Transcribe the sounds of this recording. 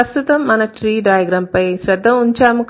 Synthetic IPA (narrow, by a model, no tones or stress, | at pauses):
ɐst̪ut̪ɐmːɐnɐʈɾiːɖaːjɐɡɾaːmpɐjsɾɐd̪ʱːɐmuɲt͡ʃaːmuk